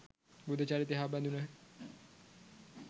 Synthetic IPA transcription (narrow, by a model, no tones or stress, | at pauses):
bud̪ʱət͡ʃaɾit̪eɦaband̪unəɦ